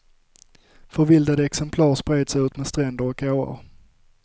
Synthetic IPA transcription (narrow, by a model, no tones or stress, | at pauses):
fœɾvɪld̪ad̪əɛksɛmpʰlɑːɾʂpɾeːd̪sʉ̟ːt̪mɛst̪ɾɛnd̪əɾɔk̚ʰːoːə̰ɾ